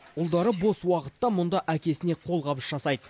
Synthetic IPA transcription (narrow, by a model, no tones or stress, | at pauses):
ʊlˠd̪ɑɾəbo̞swɑqət̪ːɑmʊnd̪ɑʔækʲe̞sɪne̞qʰo̞lˠqɑbəsʒ̥ɑsɑjd̪ə